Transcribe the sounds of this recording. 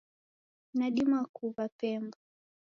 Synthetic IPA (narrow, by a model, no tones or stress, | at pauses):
naɗimakuɓapɛmbɔ